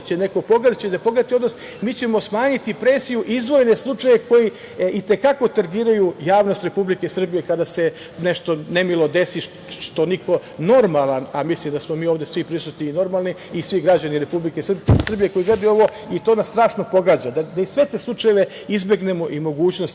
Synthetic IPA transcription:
t͡ɕene̞ko̞po̞ɡad̪t͡ɕed̪apo̞ɡɾat̪iod̪nos | miːt͡ɕemo̞smaːɲit̪ipɾeːsijuʔizʋo̞jne̞slˠut͡ʂajeeko̞ji | it̪e̞kako̞t̪aɾɡiːɾajujaːʋno̞st̪ɾe̞publikesr̩bije̞kad̪ase̞ | neʃt̪o̞ne̞milˠo̞d̪e̞si | ʃt̪o̞niko̞no̞ɾmalˠanamislimd̪asmo̞miːoʋd̪esʋipɾisut̪niːno̞ɾmaːlˠni | isʋiɡɾad͡ʑaniɾe̞publikesrbsr̩bije̞ko̞iɡɾad̪io̞ʋo̞ | it̪o̞ːnast̪ɾaːʃno̞po̞ɡaːd͡ʑad̪ad̪aisʋe̞t̪eːslˠut͡ʂaje̞ʋe̞ | izbe̞ɡne̞mo̞ʔimo̞ɡuːt͡ɕno̞st̪

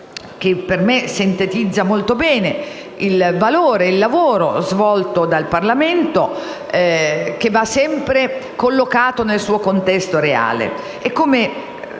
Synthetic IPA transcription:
k̟epːermesint̪et̪id̪zːamolt̪obɛːne | ilvaloːɾeilːavoːɾozvɔlt̪od̪alparlament̪o | k̟evːasːɛmpɾekolːokaːt̪onelsuːokont̪ɛst̪oɾea̰ːlḛ | ekːome

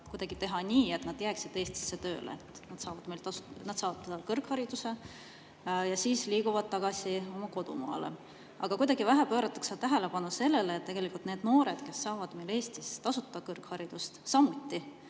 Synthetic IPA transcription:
kujd̪ɑɡ̥it̪e̞ɦɑnʲiːet̪nɑd̪̥jæːksid̪̥e̞ːst̪i̥sːet̪ø̞ːlḛet̪nɑd̪sɑːvɑd̪mejlt̪ɑsunɑd̪̥sɑːvɑd̪t̪ːed̪ɑlkɤrkhɑɾid̪̥use̞ | jɑsiːsliːɡuvɑd̪̚t̪ɑɡ̥ɑsio̞mɑko̞d̪̥ṵmɑ̰ːlḛ | ɑɡ̥ɑkujd̪̥ɑɡ̥ivæɦæpø̞ːɾɑt̪ːˑɑkset̪æɦe̞lepɑnuse̞lːe̞leːt̪ːe̞ɡ̥e̞likˑult̪ne̞ːd̪̥no̞ːɾe̞d̪̥ke̞sːɑːvɑd̪̥mejle̞ːst̪ist̪ɑsut̪ːˑɑd̪ɑkɤrkhɑɾid̪̥ust̪sɑmut̪ːi

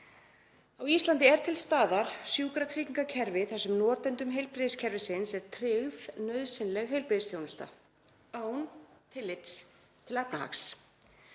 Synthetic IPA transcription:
awist̪lant̪ɪɛɾ̥t̪ʰɪlst̪aːðaɾ̥sjuːkɾat̪ʰɾiːc̪iŋkacʰɛɾvɪθɛsːʏmnɔːt̪ɛnt̪ʏmɦejlpɾɪðscʰɛɾvɪsɪnsɛɾ̥t̪ʰɾɪɣðnœɥðsɪnlɛɣɦejlpɾɪðst̪jownʏst̪a̰ | aːwnt̪ʰɪlːɪt̪s | t̪ʰɪlɛpnaha̰ks

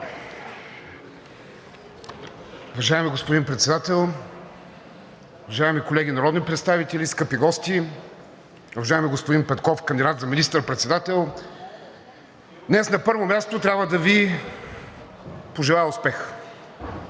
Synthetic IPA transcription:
ʊvɐʒajɛmiɡospod̪inpɾɛt̪sɛd̪at̪ɛlˠ | ʊvɐʒaɛmikolɛɡ̟ʲinɐɾɔd̪nipɾɛt̪st̪avit̪ɛlʲiskɤpiɡɔst̪i | uvɐʒajɛmiɡospʊd̪inpɛt̪kɔfkɐnd̪id̪at̪zɐminist̪əɾpɾɛt̪sɛd̪at̪ɛlˠ | d̪nɛsnɐpɤɾvomʲjast̪ot̪ɾʲjabvəd̪ɐvi | poʒɛlˠajɛʊspɛx

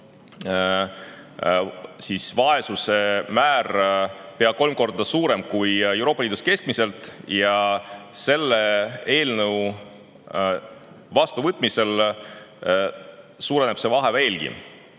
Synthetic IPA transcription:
siːsvɑe̞suse̞mæːrpeɑko̞lmko̞rd̪̥ɑsuːɾe̞mkuje̞wɾo̞ːpːɑliːd̪uske̞sk̚mise̞lt̪ˑjɑse̞lːee̞ːlnɤw | vɑst̪uvɤt̪ːˑmise̞l | suːɾe̞ne̥se̞vɑɦe̞ve̞ːlɡ̥ḭ

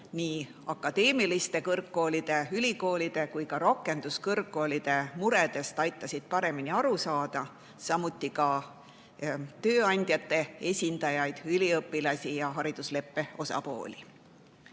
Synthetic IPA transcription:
niː | ɑkːˑɑd̪̥e̞ːmilist̪e̞kɤrkːo̞ːlid̪̥e̞ylʲiko̞ːlid̪̥e̞kujkɑɾo̞kːˑe̞nd̪̥uskɤrkːo̞ːlid̪̥e̞muɾe̞d̪̥e̞st̪ɑjt̪ːˑɑsʲid̪̥̚pɑɾe̞miniɑɾusɑːd̪̥ɑ | sɑmut̪ːˑikɑ | t̪ø̞ːɑnʲd̪̥ʲjɑt̪ːe̞esʲind̪̥ɑjɑjd̪̥ylʲiɤpːˑilɑsʲijɑɦɑɾid̪̥usle̞pːe̞o̞sɑ̰po̞̰ːlʲi

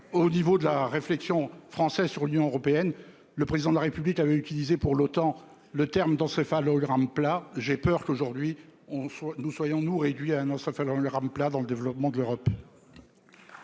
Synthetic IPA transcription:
onivod̪əlaʁeflɛksjɔ̃fχɑ̃sɛzsyʁlynjɔ̃øʁɔpeɛn | ləpχezid̪ɑ̃d̪əlaʁepyblikavɛyt̪ilizepuʁlot̪ɑ̃ | lət̪ɛʁmd̪ɑ̃sefalɔɡʁamplaʒɛpœʁkoʒuʁd̪ɥiɔ̃swanuswajɔ̃nuʁed̪ɥiaɛ̃nɑ̃sefalɔɡʁamplad̪ɑ̃ləd̪evlɔpmɑ̃d̪əløʁɔp

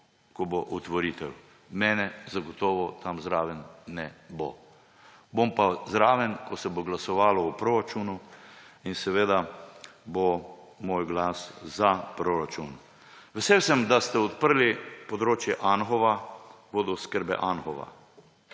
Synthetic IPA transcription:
kɔboʔut̪ʋɔɾiːt̪ɛw | mɛːnɛzaɡɔt̪ɔːʋɔt̪ʰamzɾaːʋɛnːɛbo̰ | bompazɾaːʋɛnkɔsɛboɡlasɔʋaːlɔupɾoɾat͡ʃunuinsɛʋeːd̪abo | moːjɡlaszapɾoɾat͡ʃun | ʋɛsewsɛmd̪ast̪ɛɔt̪̚pəɾlipɔd̪ɾoːt͡ʃjɛʔanxɔʋa | ʋoːd̪ɔskəɾbɛ̰ʔanxɔʋa̰

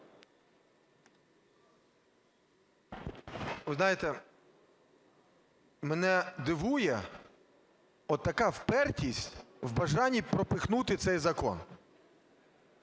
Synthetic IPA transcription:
ʋɪznɑjɪt̪ɛ | mɛnɛd̪ɪʋujɛ | ɔt̪t̪ːɐkɑwpɛrtʲisʲtʲwbɐʒɑnʲipɾɔpɪxnut̪ɪt̪sɛjzɐkɔ̰n

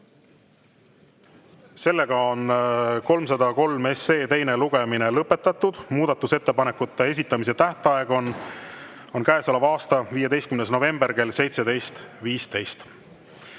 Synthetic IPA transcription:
se̞lːe̞ɡ̥ɑonko̞lmsɑd̪ɑko̞lme̞sːeːt̪e̞jne̞luɡ̥e̞minelɤpːˑe̞t̪ːˑɑt̪ːud̪̥muːd̪̥ɑt̪ːˑuse̞t̪ːe̞pɑnekːˑut̪ːe̞e̞s̬ʲit̪ːˑɑmise̞t̪æht̪eɑe̞ɡ̥o̞nː | o̞nkæːsɑlɑvɑːst̪ɑviːjed̪e̞jst̪kymnesno̞ve̞mbe̞rke̞lːse̞jt̪se̞d̪ejst̪viːst̪e̞jst̪

